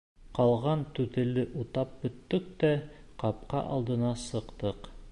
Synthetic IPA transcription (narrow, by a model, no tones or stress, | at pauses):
qɑlˠʁɑnt̪ʉt̪ɘ̆lɘʔut̪ɑp̚bɵ̆t̪ːɵk̚t̪æ | qɑp̚qɑ̰ʔɑ̰lˠd̪ɤ̆nɑsɤ̆qt̪ɤq